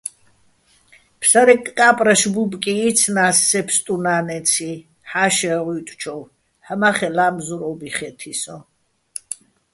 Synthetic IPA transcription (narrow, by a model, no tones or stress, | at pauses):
pʰsaɾɛkʼːapʼɾaʃbubʼkʼiːt̪t͡sʰnaːsːɛpʰst̪ʼunaːnɛt͡sʰi | ħaʃɛʁut̪ʼt͡ʃʰɔw | həmaχɛlaːmzuɾɔbiχɛt̪ʰisɔ